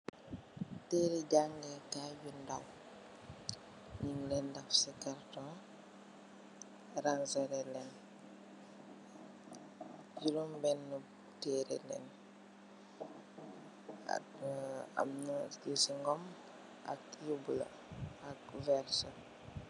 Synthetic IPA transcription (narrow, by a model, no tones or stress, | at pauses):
tɛːɾiɟaŋɡɛkaːjundaw | ɲiŋlɛndafsikaɾtɔn | ɾansɛɾɛlɛn | julumbɛnːə | tɛːɾɛ̰lɛ̰n | a̰ | a̰mnusiŋɡɔm | a̰kjubulɐ̰ | akvɛɾsɐ